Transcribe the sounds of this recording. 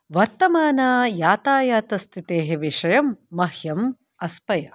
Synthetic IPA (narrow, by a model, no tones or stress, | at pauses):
ʋɐɾt̪ɐmaːnaːjaːt̪aːjaːt̪ɐst̪ʰit̪eːɦeʋiʂɐjɐmːɐɦjɐm | ɐspɐjɐ